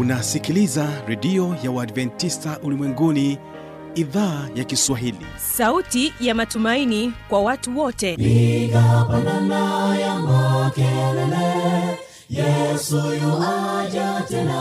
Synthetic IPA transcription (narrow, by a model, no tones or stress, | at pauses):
unasikilizaɾɛɗiɔjawaːdvɛntistaʔulimwɛŋɡuni | iðaːjakiswaɦilḭ | sautijamatumainikwawatuwɔtɛikapananajamakɛlɛlɛ | jɛsujɔnad͡ʒatɛna